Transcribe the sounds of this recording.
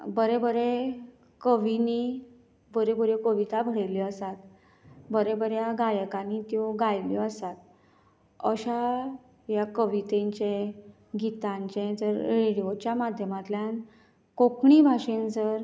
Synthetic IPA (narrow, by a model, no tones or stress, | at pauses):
bəɾebəɾe | kəʋini | bəɾebuɾekəʋit̪abʱəɽeliəsat̪ | bəɾebəɾjaɡajəkanit̪joɡajljɔəsat̪̚ | əɕa | jakəʋit̪eɲt͡ɕe | ɡit̪ãɲt͡ɕẽd͡zəɾɾeɽiot͡ɕjamad̪ʱjəmat̪ljan | kokɳibʱaɕend͡zəɾ